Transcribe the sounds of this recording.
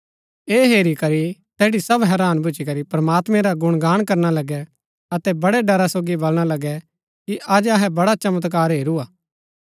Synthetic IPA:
eːɦeːɾikɐɾit̪ɛːɽisɐbɦɛːɾaːnbʊd͡ʒikɐɾipɾɐmaːt̪mɛ̃ɾaɡʊɽ̃ɡaːɽ̃kɐɾnalɐɡɛ | ɐt̪ɛbɐɽɛɖɐɾasoːɡibɐlɽ̃alɐɡɛ | kiʔɐd͡ʒɐɦɛbɐɽat͡ʃɐmət̪k̬aːɾɦeːɾuaː

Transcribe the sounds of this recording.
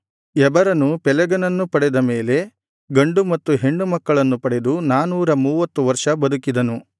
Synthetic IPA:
ɛbɐɾɐnupɛlɛɡɐnɐnːupɐɽɛd̪ɐme̞ːle̞ | ɡɐɳɖumɐt̪ːuɦe̞ɳːumɐkːɐɭɐnːupɐɽed̪unaːnuːɾɐmuːʋɐt̪ːuʋɐɾʂɐbɐd̪ukid̪ɐnu

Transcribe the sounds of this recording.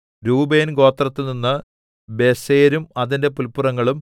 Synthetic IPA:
ɾuːbeːnɡo̞ːt̪ːrɐt̪ːilninːɨ | be̞seːɾumɐðinde̞p̬ulpːurɐŋːɐɭum

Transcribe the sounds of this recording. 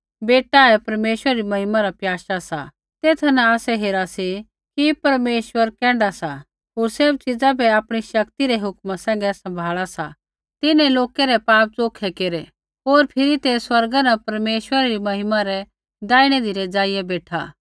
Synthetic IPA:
beːʈaɛpɐɾmeːʃwəɾɐɾimɐɦɪmaɾapjaːʃasa̰ | t̪eːt̪ʰanaaːsɛɦeːɾasi | kipɐɾmeːʃwəɾkɛ̃ːɳɖasa | ɦoːɾseb̚t͡ʃɪd͡zabɛaːpɽ̃iʃɐkt̪iɾɛɦʊkmasɛ̃ːŋ̆ɡɛsɐ̃mbʱaːɭasa̰ | t̪ɪnɛ̃loːkɛɾɛpaːp̚t͡soːkʰɛkeːɾɛ | ɦoːɾpʰɪɾit̪eswɐɾɡanɐpɐɾmeːʃwəɾaɾimɐɦɪmaɾɛ | d̪aːiɽ̃ɛd̪iɾɛd͡zaːɪjɛbeːʈʰaː

